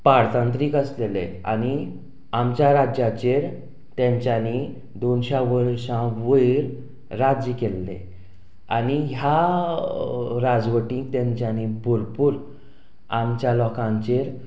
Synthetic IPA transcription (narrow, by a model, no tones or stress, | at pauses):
paɽt̪ant̪ɾiːkəslelea̰ñi | amt͡ɕjaɾad͡ʑjat͡ɕeɾ | t̪jɛ̃ɲt͡ɕjani | d̪onɕaʋəɾɕãʋəjiɾː | ad͡ʑəkelːḛ | aniɦja | ɾad͡zʋəʈĩt̪ɛ̃ɲt͡ɕanibuɾpuːɾ | amt͡ɕjalɔkãɲt͡ɕeɾ